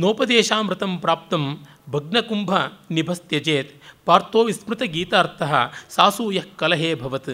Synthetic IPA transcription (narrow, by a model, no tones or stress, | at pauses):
noːpɐd̪eːʃaːmɾɪt̪ɐmpɾaːp̚t̪ɐm | bʱɐɡnɐkumbʱɐnibʱɐsjɐd͡ʒeːt̪paːɾt̪oːʋismɾɨt̪ɐɡiːt̪aːɾt̪ʰɐɦɐ̆saːsuːjɐhkːɐlɐɦeːbʱɐʋɐt̪